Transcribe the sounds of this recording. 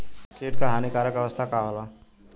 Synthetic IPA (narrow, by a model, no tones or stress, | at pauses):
keʈkaɦanikaɾəkʌʋəst̪ʰakaɦola